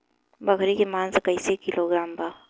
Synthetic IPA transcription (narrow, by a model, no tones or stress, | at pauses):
bɐkʰɾikemãːnskəɪsekɪloɡɾaːmbaː